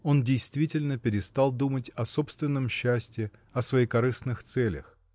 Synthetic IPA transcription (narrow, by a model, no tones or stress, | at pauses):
o̞ndʲejst̪vʲitʲɪlʲnəpʲɪɾʲɪst̪ɑlˠd̪umətʲɐso̞pst̪vʲɪnːəmɕːæsʲtʲɪ | ɐsvɐijkɐɾɨsnɨxt̪sɛlʲə̰x